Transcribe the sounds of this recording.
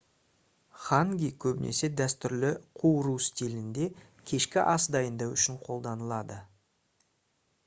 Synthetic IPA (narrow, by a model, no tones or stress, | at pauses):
χɑŋɡʲijkʲʰɵbɪnḛse̞d̪æst̪ʏɾlɪqʰuwɾust̪ʲilɪnd̪e̞ | kʲʰe̞ʃkʲɪʔɑsd̪ɑjənd̪ɑwʏʃɪɴqʰo̞lˠd̪ɑnəlˠɑd̪ə